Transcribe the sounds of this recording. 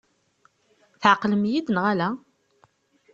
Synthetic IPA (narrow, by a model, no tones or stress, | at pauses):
θʕəqlmjid̪nʁalæ